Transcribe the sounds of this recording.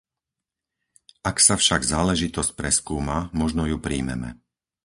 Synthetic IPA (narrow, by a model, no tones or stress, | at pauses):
ʔaksafʃaɡzaːlɛʒit̪ɔsc̚pɾɛskuːmamɔʒnɔjupɾiːmɛ̰mɛ̰